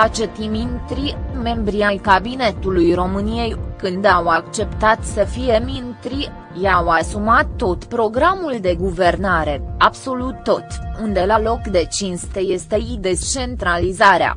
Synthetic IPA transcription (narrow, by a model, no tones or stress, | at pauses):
at͡ʃet̪imint̪ɾime̞mbɾiajkabine̞t̪ulujro̞mɨnije̞jkɨnd̪awakt͡ʃe̞pt̪at̪səfije̞mint̪ɾi | jawasumat̪ːo̞t̪pɾo̞ɡɾamuld̪e̞ɡuve̞rnaɾe̞abso̞lut̪ːo̞t̪und̪e̞lalo̞kd̪e̞t͡ʃinst̪e̞je̞st̪e̞id̪e̞t͡ʃe̞nt̪ɾalizaɾea̰